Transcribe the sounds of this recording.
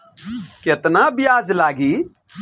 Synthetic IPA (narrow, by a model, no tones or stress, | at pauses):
ket̪nabɪjad͡ʒlaːɡi